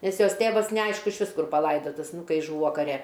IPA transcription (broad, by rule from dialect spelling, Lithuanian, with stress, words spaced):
ˈnʲɛs ˈjoːs ˈtʲeːʋɐs nʲɛˈɐɪʃkʊ ɪʃʲˈʋʲɪs ˈkʊr pɐˈlˠɐɪdɐtɐs ˈnʊ ˈkɐɪ ˈʒuːʋoː kɐˈrʲɛ